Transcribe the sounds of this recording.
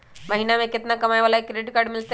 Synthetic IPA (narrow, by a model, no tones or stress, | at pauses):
məɦinameket̪nakəmajʋalaekɾeʈkaɾɽmilt̪e